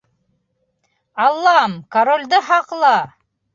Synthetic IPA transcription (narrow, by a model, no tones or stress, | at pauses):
ɑlˠːɑmkɐɾolʲd̪ɤχɑqlˠɑ